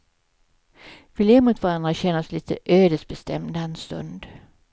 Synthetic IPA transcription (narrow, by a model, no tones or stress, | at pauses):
v̥ɪlɛmʊt̪vaɾand̪ɾaɕɛnːasliːt̪ʰəʔøːd̪əsbɛst̪ɛmd̪ɛnst̪ɵ̰nd̪